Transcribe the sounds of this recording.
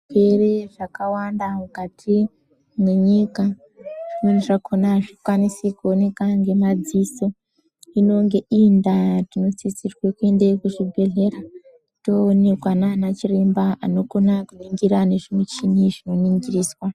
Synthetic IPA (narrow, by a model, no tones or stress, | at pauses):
kereʐakawandamukatʰi | mwe̞ɲika | ʐ̥imweniʐakʰonaʐikwanisikone̞kaŋɡe̞mad͡ziso̞ | ino̞ŋɡe̞ʔindatino̞t͡sisirwekue̞ndekuʐibʱe̞ɮe̞ɾa | to̞ːnekwananat͡ʃirimbaano̞ko̞nakuniŋɡiɾane̞ʐimwet͡ʃiniʐino̞niŋɡiriːswa